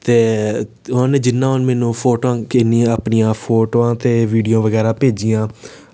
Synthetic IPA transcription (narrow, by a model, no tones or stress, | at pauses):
t̪eː | ʊnãneːd͡ʒɪnːãːɦnmɛːnũːpʰoːʈoãːkɪniːaːpnijãːpʰoːʈoːãːt̪eːʋiːɖijõːʋəɡɛːɾaːpeːd͡ʒijãː